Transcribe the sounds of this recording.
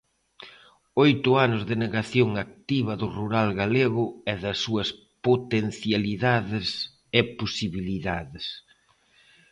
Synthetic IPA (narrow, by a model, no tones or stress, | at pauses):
ojt̪ʊanʊzðɪneɣaθjoŋak̚t̪iβɐðʊruɾalɣaleɣʊɛðɐsːuɐs | pot̪en̟θjaliðaðɪs | ɪposiβiliðaðɪs